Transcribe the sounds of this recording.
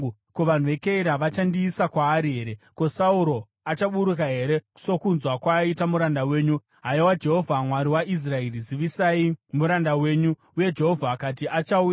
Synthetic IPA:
koʋan̤uʋe̞keiɾaʋat͡ʃandiːsakwaːɾiɦe̞ɾe̞ko̞sauɾo̞ | at͡ʃaɓuɾukaɦe̞ɾe̞̥so̞kunzwakwaitamuɾandawe̞ːɲu | ɦajowad͡ʒe̞ɦo̞vʱamwaɾiwaʔis̬raeriziʋisaimuɾandawe̞ːɲu | uje̞d͡ʒe̞ɦo̞vʱaːkatiʔat͡ʃauj

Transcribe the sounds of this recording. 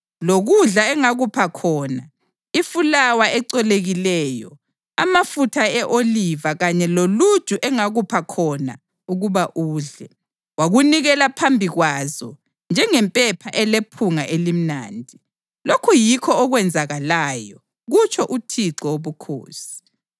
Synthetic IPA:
loɣuɮaɛŋaɣupʰakʰɔːna | ifulawaɛǀɛleɣilɛːjɔ̰ | a̰mafutʰaɛʔolivaɣaɲɛlolu̥ʒ̥ʼʱuʔɛŋaɣupʰakʰɔna̰ | uɣuβaʔuːɮɛ | waɣuniɣɛlapʰambʱiɣwazɔ̰ | nd͡ʒʱɛŋɛmpʼɛpʰaʔɛlepʰuŋaʔelim̩na̰ːndʱi | lokʰujikʰɔːɣwɛnd͡zʱaɣalajɔ | ɣut͡ʃʰɔʔutʰiǀɔoβukʰo̰ːsi̥

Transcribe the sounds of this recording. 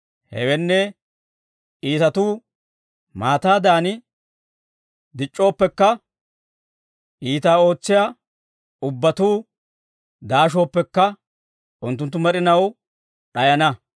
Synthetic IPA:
hɛ̰wɛnːɛ | iːt̪ɐt̪uː | maːt̪aːd̪aːnɪ | d̪ɪt͡ʃʼːo̞ːpːɛkːɐ | ʔiːt̪aːo̞ːt͡sːɪjaː | ʊbːɐt̪uː | d̪aːʃ̬o̞ːpːɛkːɐ | ʔʊnt̪ːʊnt̪ːʊmɛɾɪnɐw | ɗɐjɐnɐ

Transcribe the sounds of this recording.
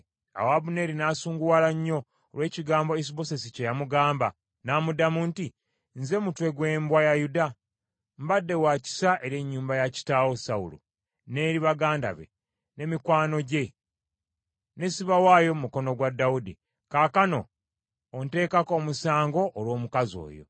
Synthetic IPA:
a̰waβune̞ɾinaːsuːŋɡuwaːlaɲːo̞ː | lwe̞ːciɡaːmbo̞es̬iβo̞se̞sicejamuɡaːmba | naːmudamunti | nze̞mutwe̞ɡwe̞ːmbwajajuda | mbadːe̞waːci̥saʔe̞ɾe̞ɲːuːmbajaci̥taːwo̞saṵlṵ | ne̞ːɾiβaɡaːnda̰βe̞̰ | ne̞mikwaːno̞ɟe̞ | ne̞siβawaːjo̞mumuko̞no̞ɡwadːawudḭ | kaːkano̞ː | nte̞ːkako̞musaːŋɡo̞ʔːlwo̞ːmukazo̞̰ːjo̞̰

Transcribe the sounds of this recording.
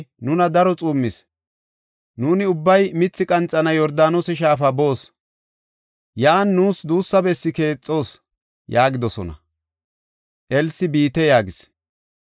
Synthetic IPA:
nʊnɐd̪ɐɾɔt͡sʼuːmːɪs | nuːnɪʊbːɐjmɪt͡sːɪkʼɐnt͡sʼːɐnɐjɔɾd̪aːnosɛʃ̬aːfɐbo̞ːs | jaːnːuːsd̪uːsːɐbɛsːɪke̞ːt͡sʼːo̞ːs | jaːɡɪd̪ɔsɔ̰nɐ̰ | ʔɛlsɪbiːt̪ɛjaːɡɪs

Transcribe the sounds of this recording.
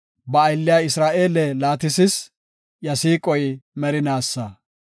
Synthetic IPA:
bɐːjlːɪjaɪsɾaːʔe̞ːlɛlaːt̪ɪsɪs | jɐsiːkʼɔjmɛɾɪnaːsːɐ

